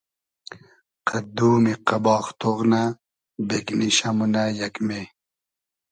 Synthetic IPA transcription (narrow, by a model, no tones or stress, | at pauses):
qʰɐd̪uːmiqɐbɑːxt̪oʁna | bekniɕɐmunajɐkme